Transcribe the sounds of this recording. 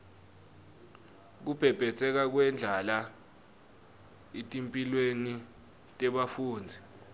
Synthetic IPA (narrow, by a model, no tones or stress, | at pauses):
k̬ub̥ʱɛb̥ʱɛt͡sʰʼɛk̬ak̬wɛnd͡ɮʱala | etʼimpʼilweni | tʼɛɓafuːnd͡zʱi